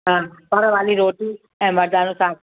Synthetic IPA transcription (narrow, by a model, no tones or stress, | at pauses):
ɦãːɔːɾəʋaːliɾoːʈiː | ɛ̃ːməɾd̪aːnũːsãːŋ